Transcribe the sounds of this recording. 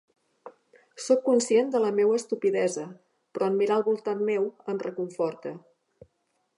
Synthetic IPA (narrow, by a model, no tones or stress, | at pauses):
sokːunsiend̪ələmewəːst̪upiðɛzə | pɾɔəmmiɾaəlˠβulˠt̪anmewəmrəkuɱfɔɾt̪ə